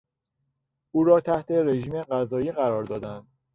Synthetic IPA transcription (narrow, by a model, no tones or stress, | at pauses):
ʔuːɾɒːt̪ʰæht̪ʰe̞ɾe̞ʒiːmeɢæzɒːiːɣæɾɒːɾd̪ɒːd̪ænd̪̥